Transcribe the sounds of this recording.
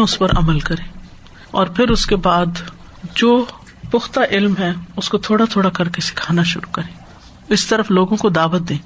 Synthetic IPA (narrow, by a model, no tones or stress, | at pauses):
ʊspɐɾɐ̰məlkɐɾẽː | ɔːɾpʰɪɾʊskebaːd̪ | d͡ʒoː | pʊxt̪aʔɪlmɦɛʊskot̪ʰoːɽat̪ʰoːɽakɐɾkesɪ̥kʰaːnaʃʊ̰ɾukɐɾẽː | ɪst̪ɐɾəfloːɡõkod̪aːʋət̪̚d̪ẽː